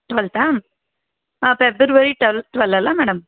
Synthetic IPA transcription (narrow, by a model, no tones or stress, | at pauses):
ʈʋɐlt̪aːm | apebəɾʋɐɾiʈɐlʈ̪ʋɐlɐlamɛːɽɐm